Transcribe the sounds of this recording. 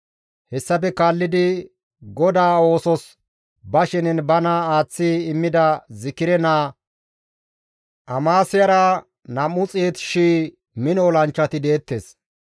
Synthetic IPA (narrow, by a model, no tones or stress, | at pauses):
hɛsːɐpɛkaːlːɪd̪ɪ | ɡɔd̪aːo̞ːsɔs | bɐʃɪnɛnbɐnaaːt͡sːiːɪmːɪd̪ɐzɪkɪɾɛnaː | ʔɐmaːsɪjɐɾɐ | nɐmːʊt͡sʼeːt̪ʃiː | mɪnɔɔlɐnt͡ʃːɐt̪ɪd̪e̞ːt̪ːes